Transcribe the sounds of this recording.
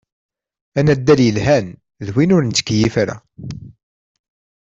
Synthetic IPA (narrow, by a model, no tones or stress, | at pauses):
ænæd̪ːæljəlɦæn | ðwinʊɾnt͡s̪ːə̥kːjifaɾæ̰